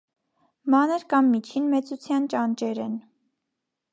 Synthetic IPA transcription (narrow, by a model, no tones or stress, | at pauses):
mɑnəɾkɑmːit͡ʃʰinmɛt͡sut͡sʰjɑnt͡ʃɑnt͡ʃɛɾɛn